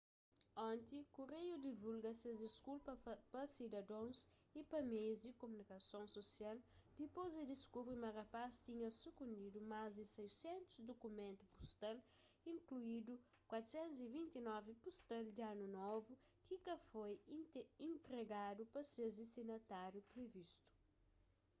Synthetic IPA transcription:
ɔ̃nt̪ikuɾejud̪ivulɡɐseɐzd̪iskulpɐpɐsid̪ɐd̪õws | ipɐmejuzd̪ikomunikɐsõw̃sosiald̪ipozɐd̪iskubɾimɐrɐpast̪iɲɐsukũnd̪id̪umazd̪isɛjsẽnt̪u̥zd̪okumẽnt̪upu̥st̪al | ĩŋkluid̪u | kwat̪u̥sɛ̃nt̪uzivĩnt̪inɔvipust̪ɛld̪ianunɔvu | kikɐfojĩnt̪ɾeɡad̪upɐsezd̪isinɐt̪aɾjupɾevist̪u̥

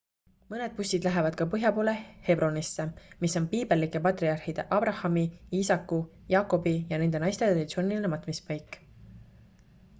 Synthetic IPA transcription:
mɤne̞d̪̚pusʲid̪læɦevɑd̪̥kɑpɤɦjɑpo̞ːle̞he̞bro̞nisːe̞miso̞npiːb̥e̞lːikːˑe̞pɑt̪riɑrhid̪̥e̞̰ʔɑb̥rɑhɑmiiːsɑkːu | jɑːkːˑo̞bijɑne̞nd̪̥e̞nɑjst̪e̞ɾred̪it̪sio̞ːnʲilinemɑt̪ːˑmispɑjkːˑ

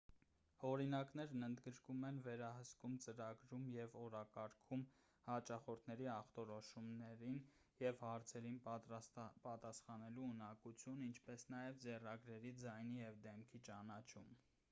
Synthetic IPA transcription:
hɔɾinɑknɛɾnənd̪ɡəɾkumɛnvɛɾɑɦəskumt͡səɾɑɡɾumjɛvɔɾɑkɑɾkʰum | hɑt͡ʃɑχɔɾt̪ʰnɛɾiɑχt̪ɔɾɔʃumnɛɾin | jɛvhɑɾt͡sʰɛɾinp̪ | pɑt̪ɑsχɑnɛluːnɑkut͡sʰjunint͡ʃʰpɛsnɑjɛvd͡zɛrɑɡɾɛɾid͡zɑjnijɛvd̪ɛmkʰit͡ʃɑnɑt͡ʃʰum

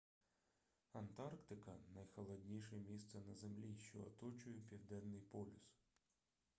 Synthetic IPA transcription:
ɐnt̪ɑrkt̪ɪkɐnɐjxɔlˠɐdʲnʲiʃɛmʲist̪sɛnɐzemlʲiʃt͡ʃɔːt̪ɔt͡ʃʊjʊpʲiwd̪ɛnːɪjpɔlʲʊs

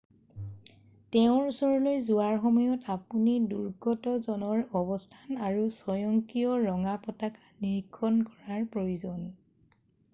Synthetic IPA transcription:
tɛʊ̃ɹusɔɹɔlojzuaɹxɔmɔjɔtapuniduɹɡɔtɔzɔnɔɹɔbɔstʰanaɹusɔjɔŋkiɔɹɔŋapɔtakḁniɹkʰːɔnkɔɹaɹpɹojuzɔn

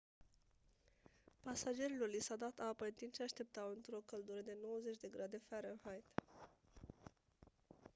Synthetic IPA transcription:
pasad͡ʒe̞ɾilorlisawd̪at̪apət̪imʃeaʃt̪e̞p̚t̪awɨnt̪ɾo̞kəld̪uɾəd̪e̞no̞wəzet͡ʃʲd̪e̞ɡɾad̪e̞faɾəɨnhajt̪

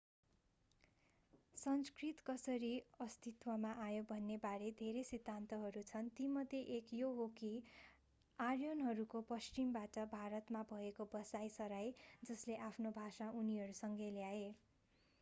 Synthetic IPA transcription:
sʌnskrit̪kʌsʌɾiʌst̪it̪wʌmaʔajobʱʌnːebaɾed̪ʱeɾesid̪ʱːant̪ʌɦʌɾut͡sʰʌnt̪imʌd̪ʱeʔekjoɦoki | arjʌnɦʌɾukopʌst͡ʃimbaʈʌbʱaɾʌt̪mabʱʌekobʌsajsʌɾajd͡zʌsleʔapʰnobʱasaʔuniɦʌɾusʌŋɡeljae

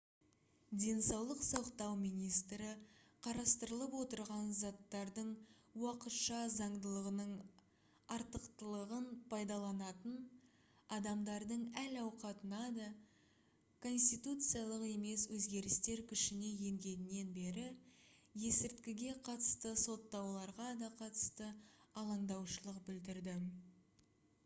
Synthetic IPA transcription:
d̪ʲe̞nsɑwlˠəqsoqt̪ɑwmijnijst̪ɾɪqʰɑɾɑst̪əɾəlˠəpwo̞t̪əɾʁɑnzɑt̪ːɑɾd̪əɴ | wɑqət̪ʃɑzɑɴd̪əlˠəʁənəɴ | ɑɾt̪əqt̪əlˠəʁənpʰɑjd̪ɑlˠɑnɑt̪ən | ɑd̪ɑmd̪ɑɾd̪əɴælɑwqɑt̪ənɑd̪ɑ | kʰo̞nsʲt̪ijt̪ut̪sɨjalˠəqe̞me̞swɵzɡʲe̞ɾɪst̪e̞ɾkʲʰʏʃɪne̞je̞ŋɡʲe̞nɪnːe̞nbe̞ɾɪ | je̞sɪɾt̪kʲɪɡʲe̞qʰɑt̪ə̥st̪əso̞t̪ːɑwlˠɑɾʁɑd̪ɑqʰɑt̪ə̥st̪əɑlˠɑɴd̪ɑwʃəlˠəqbʏld̪ɪɾd̪ɪ

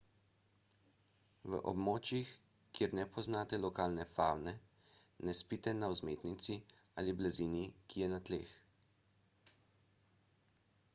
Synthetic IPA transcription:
ʋə̰ʔɔ̰bmoːt͡ʃjix | kːjeːɾnɛpʰɔznaːt̪ɛlɔkaːlnɛfaːwnɛ | nɛspit̪ɛnawzmeːt̪nit̪si | a̰liblaziːnikijɛnat̪lḛːx

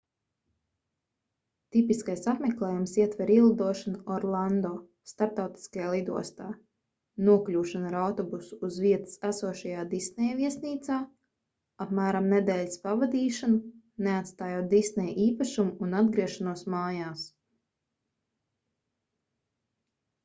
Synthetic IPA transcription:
t̪ipiskajsapmeklˠɛːjumsiɛt̪vɛɾiɛlˠad̪uɔʃanɔɾlˠand̪ɔː | st̪aɾp̚t̪awt̪i̥skajaːlˠid̪ṵɔst̪aː | nuɔklʲuːʃanaɾawt̪ɔbusu̥ːzviɛt̪ɨ̥sæsuɔʃajaːd̪isnɛjviɛsniːt̪saː | apmæːɾamned̪ɛːlʲspavad̪iːʃanu | neat̪st̪aːjoːt̪̚d̪isnɛjʔiːpaʃumuːnad̪̚ɡɾiɛʃanuɔsmaːjaːs

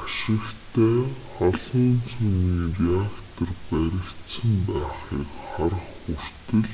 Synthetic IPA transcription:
aʃɪ̆kt̪ʰæːχɔɮɞːnt͡sʰuːniːriakt̪ʰɔrpæɾʲɪ̆kt̪sə̆mpæːχiːkχaɾə̆χxur̥tt̪ɘ̆ɮ

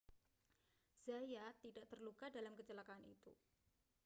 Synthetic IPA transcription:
z̥ajat̪idaʔt̪ərlukadalamkət͡ʃəlakaːnḭt̪ṵ

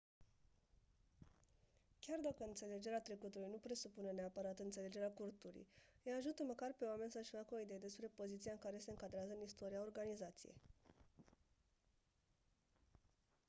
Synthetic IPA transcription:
kʲard̪akəɨnt̪se̞le̞d͡ʒe̞ɾeat̪ɾe̞kut̪ulujnupɾe̞supune̞neapəɾat̪ɨnt̪se̞le̞d͡ʒe̞ɾeakurt̪ulṵjjejaʒut̪əməkarpe̞oame̞nʲsəɨʃfakəo̞id̪eed̪e̞spɾe̞po̞zit̪sieɨŋkaɾe̞se̞ɨŋkad̪ɾeazəɨnist̪o̞ɾiao̞rɡanizat̪sḭje̞̰j

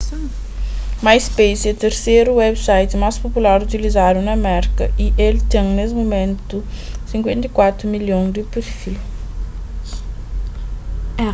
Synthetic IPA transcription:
majspejsɛt̪eɾseɾuwɛbsajt̪ɪmaspopulaɾut̪ilizad̪unɐːmɛɾikɐʔiʔelt̪ẽŋnesɪmomẽnt̪u | sĩŋkwẽnt̪ɐjkwat̪ɾumiljõd̪ɪpeɾfilu

